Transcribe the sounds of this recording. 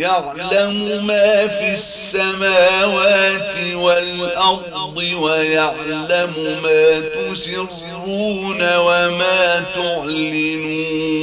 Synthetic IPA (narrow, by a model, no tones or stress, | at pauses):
jaʕ | lamʊmaːfisːamaːwaːt̪ɪwalʔɑɾ | d̪ˤɪwajaʕlamʊmaːt̪ʊsɪɾ | ɾuːnawamaːt̪ʊʕlɪnuː